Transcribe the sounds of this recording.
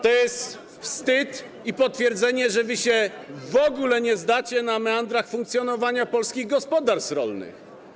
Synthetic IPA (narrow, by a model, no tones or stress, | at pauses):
t̪ɔjɛst̪ | fst̪ɘt̪ | ipɔt̪fʲjɛɾd̪zɛɲɛʐɛvɘɕɛvɔɡulɛɲɛzd̪at͡ɕɛnamand̪ɾaxfuŋkt̪sʲjɔnɔvaɲapɔlskʲiɣɡɔspɔd̪aɾst̪ɾɔ̰lnɘ̰x